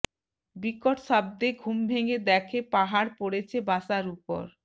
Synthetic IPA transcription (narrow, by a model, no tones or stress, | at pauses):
bikoʈʃab̚d̪eɡʱumbʱeŋed̪ɛkʰepaɦaɾpoɽet͡ɕʰebaʃaɾupo̰ɾ